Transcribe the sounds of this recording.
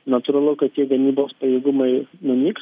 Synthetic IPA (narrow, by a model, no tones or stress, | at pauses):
nɐt̪ʊɾɐlˠʊkɐttʲiɛɡɐmʲiːboːspɐjeːɡʊmɐɪnʊmʲiːks